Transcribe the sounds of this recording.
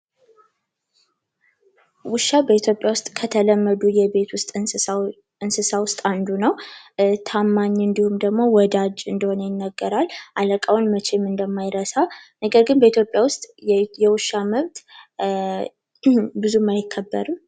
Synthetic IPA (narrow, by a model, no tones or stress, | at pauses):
wʊʃːabəit̪ʰjo̞pʼjawʊst̪ʼkʰət̪ʰələmːəd̪ujɛbe̞t̪wʊst̪ʼ | ɨnsɨsawʊst̪ʼand̪unəwt̪ʰamːaɲːɨnd̪ihumd̪əɡmo̞wɔd̪ad͡ʒɨnd̪əho̞nəjɪnːəɡːəɾalʔaləkʼawnmət͡ʃe̞mɨnd̪əmːajɾəsanəɡəɾɡɨnbəit̪jo̞pʼjawʊst̪ʼjɛwʊʃːaməβt̪ | bɨzumajɪkʰːəbːə̰ɾɨm